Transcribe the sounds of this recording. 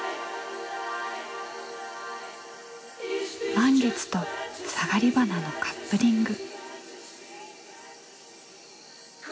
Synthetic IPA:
mãŋɡe̞t͡sɨ̥t̪o̞saɡaɾʲibanano̞kʰḁpːɯɾʲĩŋɡɯ̟

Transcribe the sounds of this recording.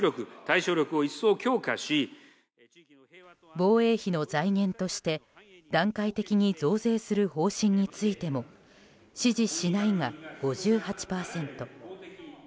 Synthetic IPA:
ɾʲo̞kɯ̟t̪aiɕo̞ːɾʲo̞kɯ̟o̞isːo̞ːkʲo̞ːkaɕi | bo̞ːe̞ːçino̞zaiŋẽ̞nt̪o̞ɕi̥t̪e̞ | d̪̥ãŋkait̪e̞kʲiɲ̟id͡zo̞ːze̞ːsɨɾɯ̟ho̞ːɕĩɲ̟ːit͡sɨit̪e̞mo̞ | ɕiʑiɕinaiŋaɡ̥o̞ʑɨːhat͡ɕi̥paːsẽ̞nt̪o̞

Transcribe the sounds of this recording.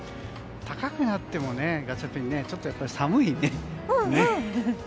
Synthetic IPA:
t̪ʰakakɯ̟nat̪ːe̞mo̞ne̞ɡat͡ɕapeɲ̟ine̞t͡ɕo̞t̪ːo̞japːaɾʲisamɯ̟ine̞ne

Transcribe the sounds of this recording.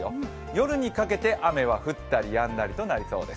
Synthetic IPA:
jo | jo̞ɾɯ̟ɲ̟ikake̞t̪e̞ʔame̞βaɸɯ̟t̪ːaɾʲijãnd̪aɾʲit̪o̞naɾʲiso̞̰ːd̪e̞s

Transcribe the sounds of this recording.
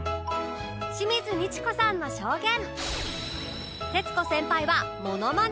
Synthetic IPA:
ɕimʲizɨɲʲit͡ɕi̥ko̞sãnːo̞ɕo̞ːɡẽ̞m | t̪e̞t͡sɨ̥t̪o̞sẽ̞mpaiβamo̞no̞man

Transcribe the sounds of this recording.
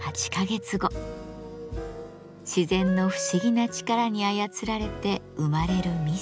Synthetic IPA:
hat͡ɕi̥kaɡe̞t͡sɨɡo̞ | ɕizẽ̞nːo̞ɸɯ̟̥ɕiɡʲinat͡ɕi̥kaɾaɲ̟iajat͡sɨɾaɾe̞t̪e̞ | ɯmaɾe̞ɾɯ̟mʲi

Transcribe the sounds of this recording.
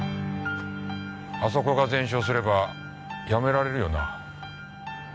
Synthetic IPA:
aso̞ko̞ɡazẽ̞ɰ̃ɕ̬oːs̬ɨɾe̞ba | jame̞ɾaɾe̞ɾɯ̟jo̞na

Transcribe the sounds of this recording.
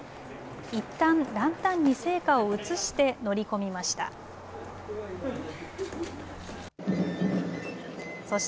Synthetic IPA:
it̪ːãnɾãnt̪ãɲ̟ːise̞ːkao̞ɯ̟t͡sɨɕi̥t̪e̞no̞ɾʲiko̞mʲimaɕi̥t̪a̰ | so̞ɕ

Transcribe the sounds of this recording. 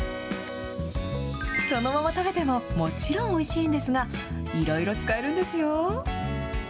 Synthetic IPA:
so̞no̞mamat̪aket̪e̞mo̞mo̞t͡ɕiɾõ̞ɰ̃o̞iɕiːnd̪e̞sɨɡa | iɾo̞iɾo̞t͡sɨ̥kae̞ɾɯ̟̃nd̪e̞sɨjo̞

